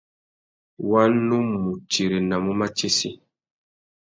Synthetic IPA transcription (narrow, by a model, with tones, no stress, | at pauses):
wa˦nːu˦mu˨t͡ʃe˨ɾe˨na˨mu˦ma˦t͡ʃe˦sḭ˦